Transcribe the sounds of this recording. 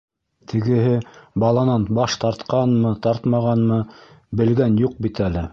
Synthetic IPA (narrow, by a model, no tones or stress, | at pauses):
t̪ʰɘ̆ɡɘ̆ɦɘbɑlˠɑnɑnbɑʃt̪ɑɾt̪qɑnmɤt̪ɑɾt̪mɑʁɑnmɤ | bɘ̆lɡænjuq̚bit̪ælɘ